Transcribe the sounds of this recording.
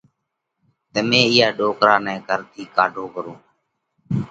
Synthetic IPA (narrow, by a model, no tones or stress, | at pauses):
t̪əmẽːɪjaːɗoːkɾaːnɛ̃ːkəɾt̪iːkaːɖʱoːkəɾõː